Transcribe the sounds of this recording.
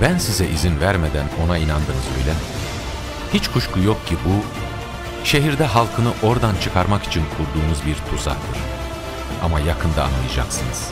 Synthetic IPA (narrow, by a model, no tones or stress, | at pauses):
bænsizɛʔizinvæɾmed̪æno̞nainand̪ɯnɯzø̞̰jlʲɛmɛ | hit͡ʃkʰuʃkʰujok̚cʰibu | ʃe̞ɦiɾd̪ɛɦalˠkʰɯnɯʔo̞ɾd̪ant͡ʃʰɯkʰaɾmaki̥t͡ʃʰinkʰuɾd̪uːnuzbiɾt̪ʰuza̰ht̪ɯ̰ɾ | amajakʰɯnd̪aa̰nmˠɯjad͡ʒa̰ksɯnɯz̥